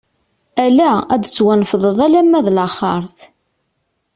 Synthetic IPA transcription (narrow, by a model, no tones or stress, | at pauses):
ælææd̪t͡sːwænfəðˤəðˤælæmːæðlɑχɑɾˤθ